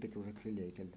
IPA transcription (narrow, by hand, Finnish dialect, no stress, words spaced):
pituseksi leˑikelːæ